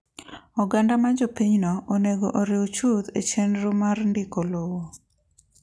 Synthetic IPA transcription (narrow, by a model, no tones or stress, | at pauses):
ɔɡandamad͡ʒopiɲnɔoneɡoʔoɾɪot͡ʃud̪et͡ʃenɾomarndɪkolowo